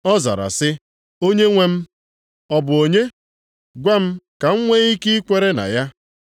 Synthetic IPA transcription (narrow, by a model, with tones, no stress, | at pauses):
ɔ˦za̰˨ɾa̰˨sɪ˦ | o˦ɲe˦ŋʷe˦m̩˦ | ɔ˦bʊ˨o˨ɲe˦ | ɡʷa˦m̩˦ka˨ŋ̩˦ŋʷe˦i˦ki˦i˦kʷe˦ɾe˦na̰˨ja˦